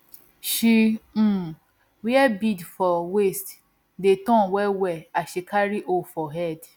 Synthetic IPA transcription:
ʃĩ | wiɛbidfɔwest | detɔ̃wɛwɛaʃekaɾiʔofɔɦɛd

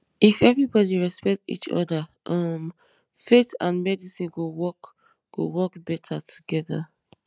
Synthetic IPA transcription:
ifɛvɹibɔdiɹɛspɛk̚tḭt͡ʃɔ̰ðaʔʌm | fetã̰nmɛdisĩɡowɔk | ɡ̥o̰wɔkbɛtʰatʰu̥ɡɛða̰

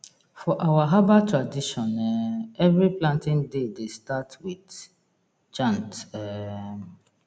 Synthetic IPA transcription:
fɔʔawaɦabatɹadiʃɔ̃nɛɛvɹiplãntĩndedestatwit | d͡ʒãntɛ

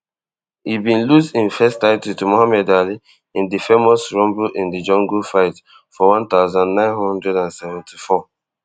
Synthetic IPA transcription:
hibĩnlusdĩnfɛstaɪtʰutumohamɛdali | ĩndifemɔsɹɔ̃mbuʔĩndid͡ʒɔ̃ŋɡufaɪt | fɔwãnt̪aʊzãnːãɪ̃nhɔ̃ndɹɛdãnsɛvɛ̃ntʰifɔ

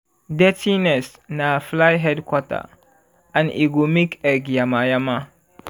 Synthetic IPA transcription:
dɛtinɛs | naflajɦɛdkwɔta̰ | anʔiɡumikɛɡjamajama

